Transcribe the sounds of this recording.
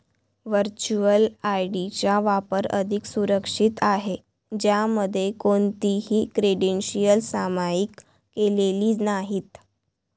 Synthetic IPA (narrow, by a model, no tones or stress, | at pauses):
ʋəɾt͡ɕuəlajɖit͡ɕjaʋapəɾə̰d̪ʱiksuɾəkʂit̪aɦe | d͡ʑjaməd̪ʱːjekont̪iɦiːkɾeɽenɕijəlsamajikː | eleliːnaɦiːt̪